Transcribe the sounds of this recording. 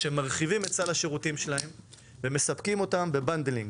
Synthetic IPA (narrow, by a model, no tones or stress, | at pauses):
ʃemaʁχivime̞t̚t͡salhaʃeʁutimʃelahe̞m | ve̞me̞sapkimo̞tambe̞band̪eliŋɡ